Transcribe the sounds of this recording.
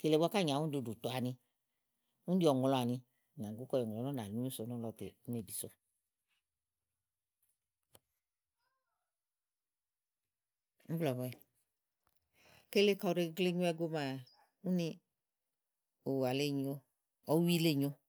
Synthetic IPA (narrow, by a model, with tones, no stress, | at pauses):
ke˨le˨bʷka˦˨ɲ˨ã˨˦ũ˦du˧˨du˨t̪o˨a˨nĩ˧ | ũ˦di˦ɔ˨ŋ˨lɔ˨a˨ni˧˨ | ɲ˨ã˨ɡu˦kɔ˦˨ɔ˨ŋ˨ɔ˨nɔ˦na˨u˦u˦so˨˦nɔ˦lɔ˨˧tḛ˨u˦n˦e˨bi˨so˦ | m̩˦blɔ˨bɔ˦˨ | ke˦le˦ka˨ɾe˧˦ɡle˦ɲu˦ɛ˦˧ɡo˦ma˨ | u˦ni˧ | o˨wa˨le˦ɲo˦ | ɔ˦wi˦le˦˨ɲo˦